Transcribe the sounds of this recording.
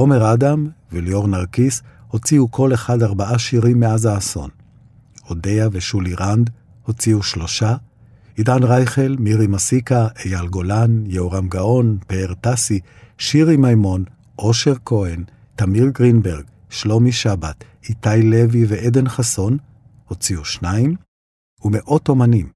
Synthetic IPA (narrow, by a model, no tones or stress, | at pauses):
o̞me̞ʁadamvelio̞ʁnaʁkisho̞t͡siukʰo̞leχadaʁbaʔaʃiʁimːeazaːso̞̰n | ho̞de̞javeʃuliʁand̪ | ho̞t͡siuʃlo̞ʃa | idanʁajχe̞lmiʁimasikaʔejalɡo̞lanjeoʁamɡaʔo̞npeːʁt̪asi | ʃiʁimajmo̞n | ʔoʃe̞ʁkʰo̞en | tamiʁɡʁinbeʁɡ | ʃlo̞miʃabat | it̪ajle̞viveʔed̪e̞nχaso̞n | ho̞t͡siuʃnaim | umeʔo̞to̞manim